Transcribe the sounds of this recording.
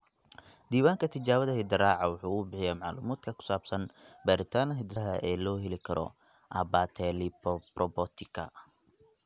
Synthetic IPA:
d̪iːwaːŋkʰɐt̪ʰɪt͡ʃaːβɐðɐhɪd̪ɐɾaːʕɑwʊħuːʊbɪħɪjɛːmɑʕlṵːmaːd̪kʰɐkʰʊ̥saːbsɐnbɐɾɪt̪ʰaːnɦɪd̪ɐɦɐʔɛːlɔːɦɛlɪkʰɐɾʔɔ̰ | ʔɐbat̪ʰɛlipɔprɔbɔt̪ʰɪkʰɐ̰

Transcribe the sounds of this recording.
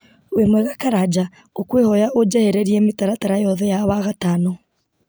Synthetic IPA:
wemwɛɣakaɾad͡ʒa | okwehɔjaʔod͡ʒaheɾeɾiemetaɾataɾajɔðɛjaβaɣatanɔ

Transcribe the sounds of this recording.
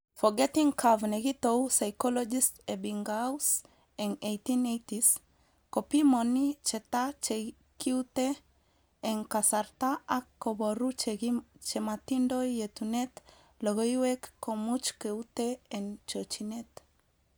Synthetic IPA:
foɡɛt̪iŋkʰavneɡit̪owsajkolod͡ʒist̪ebiŋɡaws | eŋejt̪inejt̪is | kopimonit͡ʃet̪at͡ʃe | kiwt̪e | eŋkasaɾt̪aʔakːoboɾut͡ʃt͡ʃemat̪indojet̪unet̪ | loɡojwekːomut͡ʃkeut̪eent͡ʃot͡ʃinet̪

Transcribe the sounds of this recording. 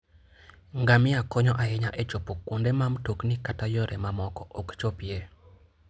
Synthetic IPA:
ŋɡamɪakɔɲɔʔaɛɲaʔɛt͡ʃopokːundemamtoknikatajoɾɛmamɔkɔʔɔkt͡ʃopje

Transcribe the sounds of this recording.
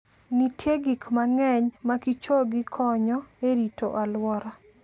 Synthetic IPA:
nitʰjeɡikmaŋɛɲmakit͡ʃoɡɪkʰɔɲɔeɾito̰ʔalwɔɾa

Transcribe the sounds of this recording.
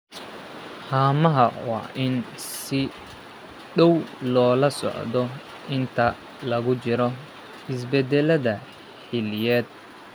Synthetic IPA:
haːmɐɦɐwɑ̰ːʔɪnsɪ | ɖɔwlɔːlɐsɔ̰ʕd̪ɔ | ʔɪnt̪ʰɐ | lɐɣʊt͡ʃɪɾɔ | ɪs̬bɛd̪ɛlɐðɐ | ħɪlɪjɛːd̪̚

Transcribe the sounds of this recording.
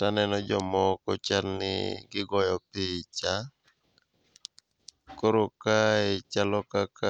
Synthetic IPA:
tanɛnɔd͡ʒɔmɔkɔt͡ʃalnɪ̰ɡɪɡɔjɔpɪt͡ʃa | koɾokaet͡ʃalɔkaka

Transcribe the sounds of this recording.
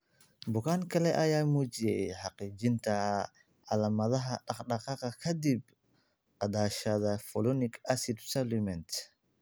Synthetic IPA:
bʊkʰaːŋkʰɐlɛʔɐjaːmɔːt͡ʃɪjɛjħɑqiːt͡ʃɪnt̪ʰɐ | ʕɑlɐmɐðɐɦɐɖɑχɖɑqɑqɐkʰɐd̪ib | qɑd̪aːʃɐðɐfɔlɔnɪkʰasɪd̪sɛlmɛnt̪

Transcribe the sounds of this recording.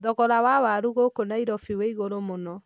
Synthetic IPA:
ðɔɣɔɾawawaɾuɣokonaiɾɔfiweiɣoɾomonɔ

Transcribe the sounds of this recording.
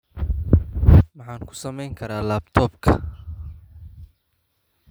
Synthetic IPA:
mɑħɑːŋkʰʊ̥sɐmɛjŋkʰɐɾaːlaːbt̪ʰɔːbkʰɐ̰

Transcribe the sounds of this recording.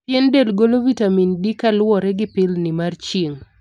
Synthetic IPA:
jɛndelɡolovitamindikalwɔɾɛɡɪpɪlnɪmart͡ʃiŋ

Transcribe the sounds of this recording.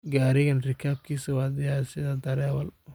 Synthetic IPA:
ɡaːɾɪɣɐnrɪkʰaːb̚kʰiːsɐwɑːd̪ɪjasɪðɐd̪ɐɾɛːwɐl

